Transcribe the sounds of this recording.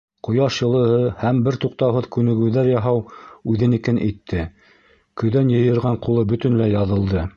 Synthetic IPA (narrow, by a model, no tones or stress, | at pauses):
qŏjɑʃjɤ̆lˠɤ̆hɤhæmbɘɾt̪uq̚t̪ɑwɦɤðkʉnɘ̆ɡɘ̆wðæɾjɑɦɑwʉðɘnikænʔit̪ʰːɘ | kɵ̆ðænjɤ̆jɤ̆ɾʁɑɴqulˠɤbɵ̆t̪ɵ̆nlæjɑðɤ̆lˠd̪ɤ